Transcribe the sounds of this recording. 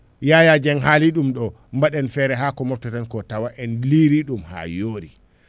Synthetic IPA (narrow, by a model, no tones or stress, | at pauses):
jajad͡ʒɛnɦaliɗumɗɔ | mbaɗɛnfɛɾɛɦaːkɔmɔftɛtɛnkɔtawaʔɛnliɾiɗumha̰joːɾi